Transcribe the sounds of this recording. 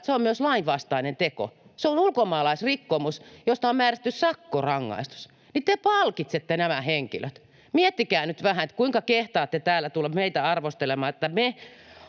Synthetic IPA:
seommyøslɑiʋʋɑst̪ɑinent̪eko̰seonulkomɑːlɑisrikːomusjost̪ɑommæːræst̪ːyssɑkːorɑŋːɑ̰ist̪u̥s | nit̪epɑlkit̪set̪ːenæmæheŋkḭløt̪ | miet̪ːikæːnyt̪ʋæhæet̪kuiŋkɑkeht̪ɑːt̪ːet̪æːlːæt̪ulːɑmeit̪æɑrʋost̪elemɑːet̪ːæme

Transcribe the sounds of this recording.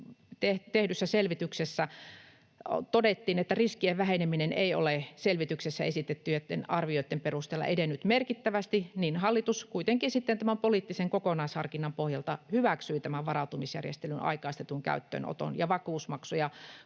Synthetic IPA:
t̪eht̪ehdysːæselʋit̪yksesːæ | t̪odet̪ːiːnet̪ːæriskieʋʋæhenemineneio̰leselʋit̪yksesːæ̰esit̪et̪ːyjet̪ːḛnɑrʋioit̪ːemperust̪eːlːɑ̰ʔḛdenːyt̪merkit̪ːæʋæst̪ininhɑlːit̪uskuit̪eŋkisit̪ːent̪æmæmpoliˑt̪ːiseŋkokonɑishɑrkinːɑmpohjɑlt̪ɑhyʋæksyit̪æmæʋʋɑrɑut̪umisjæ̰rjḛst̪elynɑ̰ikɑist̪et̪uŋkæ̰yt̪ːø̰ːno̰t̪o̰njɑʋɑkuːsmɑksojɑ

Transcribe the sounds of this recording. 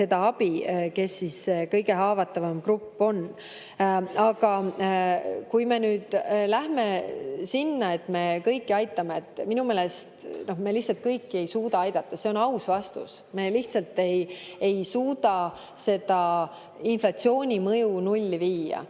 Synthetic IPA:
se̞d̪ɑɑbike̞sːisekɤjɡe̞ɦɑːvɑt̪ːˑɑvɑmkrupːo̞n | ɑɡɑ | kujme̞nyːd̪̥læhme̞sinːɑe̞t̪me̞kɤjkːiɑjt̪ːˑɑmeːt̪ːˑminume̞ːlest̪no̞hme̞liht̪sɑlt̪̚kɤjkːie̞jsuːd̪ɑɑjd̪ɑt̪ːˑɑse̞o̞nɑwsvɑst̪ṵs | me̞liht̪sɑlt̪e̞j | e̞jsuːd̪ɑ | se̞d̪̥ɑ | inflɑt̪sio̞ːnʲimɤjunulʲːiviːɑ̰

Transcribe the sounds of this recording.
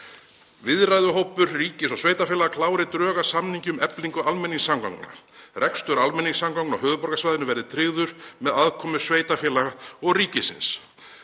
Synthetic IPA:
vɪðɾajðʏɦowpʏɾriːcɪsɔɣsveːjt̪afɛːlaɣakʰlaːwɾɪt̪ɾœːɣasamniɲcʏmɛpliŋkʏalmɛnːiŋsːamka̰wkna̰ | rɛkst̪ʏɾalmɛnːiŋsamkawkna̰ɦœːɣðʏpɔɾkasvajðɪnʏvɛɾðɪt̪ʰɾɪɣðʏɾmɛðaðkʰɔːmʏsveːjt̪afɛːlaɣaɔɣriːcɪsɪ̰ns

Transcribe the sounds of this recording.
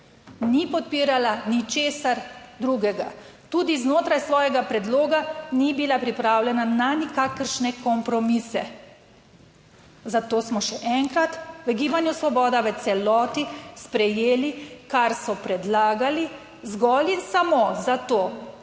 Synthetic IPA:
nipɔt̪̚piːɾalanit͡ʃeːsaɾd̪ɾuːɡɛɡa̰ | t̪uːd̪iznoːt̪ɾajsʋɔːjɛɡapɾɛd̪loːɡanibilapɾipɾaːwlʲɛnananikakəɾʃnɛkɔmpɾɔmisɛ | zat̪oːsmɔʃɛʔɛŋkɾat̪ʋəɡiːbanjusʋɔbɔːd̪aʋət̪sɛlɔːt̪ispɾɛjeːlikaɾsɔpɾɛd̪laːɡali | zɡɔlinsamozat̪oː

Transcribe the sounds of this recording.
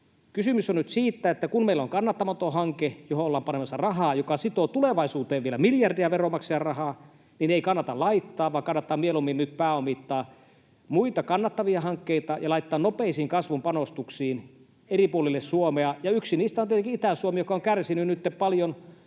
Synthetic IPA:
kysymysonnyt̪siːt̪ːæet̪ːækummeilːoŋkɑnːɑt̪ːɑmɑt̪ohɑŋkejoholːɑːmpɑnemɑsːɑrɑɦɑːjokɑsit̪ot̪uleʋɑisuːt̪eːʋʋielæmiljɑrdiæʋeromɑkseɑrɑhɑː | nineikɑnːɑt̪ɑlɑit̪ːɑːʋʋɑːŋkɑnːɑt̪ːɑːmmielumːinnyt̪̚pæːomit̪ːɑː | muit̪ɑkɑnːɑt̪ːɑʋiɑhɑŋkːeit̪ɑjɑlɑit̪ːɑːnnopeisiːŋkɑsʋumpɑnost̪uksiːn | eripuolilːessuomeɑjɑyksiniːst̪æont̪et̪ekiit̪æsuomijokɑoŋkærsinynyt̪ːeppɑljon

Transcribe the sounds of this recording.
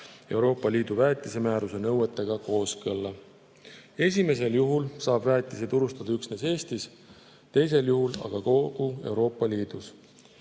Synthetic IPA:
e̞wɾo̞ːpːˑɑliːd̪̥uvæːt̪ːˑise̞mæːɾuse̞nɤwet̪ːˑe̞ɡ̥ɑko̞ːskɤlːɑ | e̞sʲime̞s̬e̞ljuɦulsɑːbvæːt̪ʲːˑiset̪uɾust̪ɑd̪ɑyksne̞se̞ːst̪is | t̪e̞js̬e̞ljuɦulɑ̰ɡ̥ɑko̞ɡ̥ue̞wɾo̞ːpˑːɑliːd̪̥us

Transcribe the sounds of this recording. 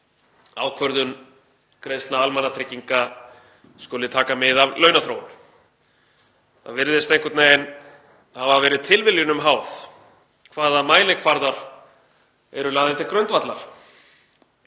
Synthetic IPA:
a̰ːwkʰvœɾðʏn | kɾejst̪naalmanːat̪ʰɾɪcːiŋka | skoːlɪt̪ʰaːkamɪðavlœɥnaθɾoːwn | θa̰vɪɾðɪst̪ejŋkʏt̪nejɪn | avavɛːɾɪðt̪ʰɪlvɪljʏnʏmɦaːwð | kʰvaːðamaːjlɪkʰvaɾðaɾ̥ | ɛɾʏlaːðɪt̪ɪkɾœnt̪vat̪laɾ̥

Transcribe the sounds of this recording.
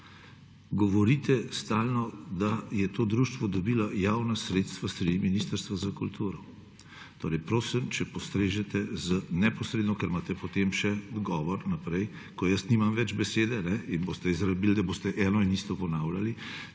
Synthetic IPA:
ɡɔʋɔɾit̪ɛst̪aːlnɔd̪ajɛt̪oːd̪ɾuʃt̪ʋɔd̪ɔbiːlajaːwnasɾeːt̪st̪ʋast̪ɾɛd̪iminist̪əɾst̪ʋazakult̪ʰuːɾɔ | t̪o̰ːɾɛjpɾoːsimt͡ʃɛpɔst̪ɾeːʒɛt̪ɛzənɛpɔsɾeːd̪nɔkɛɾmaːt̪ɛpɔt̪emʃɛd̪ɡɔːʋɔɾnapɾɛj | kɔjəsniːmamʋɛd͡ʒbɛseːd̪ɛnɛinboːst̪ɛizɾɐbiːld̪aboːst̪ɛʔɛːnɔinist̪ɔpɔnaːwlʲali

